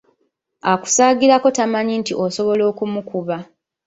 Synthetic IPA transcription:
aku̥saːɡiɾako̞tamaɲintiʔoso̞βo̞lo̞ːkumukuβa

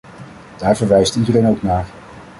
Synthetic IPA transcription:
d̥aːɹvəɹʋɛjstidərejnowknaːɹ

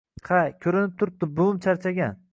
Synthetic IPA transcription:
qʰajkʲʰɵɾɪnɪp̚t̪ʰʊɾp̚d̪ɪbʊmt͡ʃʰaɾt͡ʃʰaɡʲan

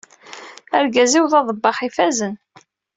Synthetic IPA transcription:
æɾɡæziwðɑðˤəbːɑχifæzən

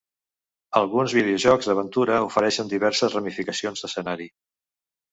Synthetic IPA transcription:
əlˠɣunzβiðeuʒɔɡzðəβənt̪uɾəufəɾɛʃənd̪iβ̞ɛɾsəzrəmifikəsionzd̪əsənaɾi

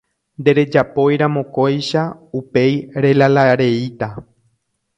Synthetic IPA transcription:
nd̪e̞ɾe̞d͡ʒapo̞jɾãmõ̞ko̞jʃaupe̞jɾe̞lalaɾe̞it̪a

